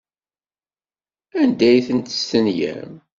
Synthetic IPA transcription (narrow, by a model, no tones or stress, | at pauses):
ænd̪æjθənt̪ə̥sənjæ̰m